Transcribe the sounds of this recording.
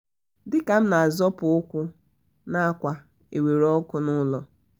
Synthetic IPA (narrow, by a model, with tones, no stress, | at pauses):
dɪ˦ka˨m̩˦na˨a˨zɔ˦pʊ˨ʊ˦kʷʊ˦ | na˦a˦kʷa˨ | e˨we˨ɾɔ˦kʷʊ˦nʊ˦lɔ˨